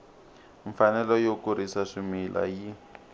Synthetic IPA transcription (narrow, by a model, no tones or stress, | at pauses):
ɱfanɛlɔjokuɾisaʂimilʔa̰ji